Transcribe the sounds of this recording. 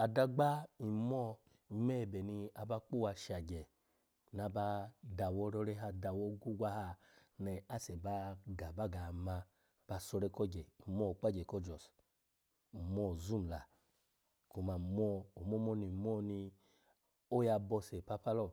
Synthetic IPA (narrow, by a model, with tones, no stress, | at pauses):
a˨da˧ɡ͡ba˦i˨mɔ˦ | i˨mɛ˦˨bɛ˨ni˧a˧ba˧˦k͡po˦˨wa˧ʃa˨ɡɛ˨ | n˨a˧ba˧da˨wɔ˧˦ɾɔ˧˦ɾɛ˦ɦa˧da˧wɔ˦ɡu˦ɡʷa˦ha˧ | nɛ˨a˦˨sɛ˨ba˦ɡa˨ba˦ɡa˨ma˧ | b̥a˧˨sɔ˧ɾɛ˧kɔ˦ɡɛ˨i˨mɔ˦˨k͡pa˦d͡ʒɛ˨kɔ˦d͡ʒɔ˨s | i˨mɔ˦˨zu˦m˨la˨ | ku˧ma˨mɔ˦o˨mɔ˦mɔ˦˨ni˨m˦ɔ˦ni˧ | o˦ja˧bɔ˧sɛ˨pa˧pa˦lɔ˦˨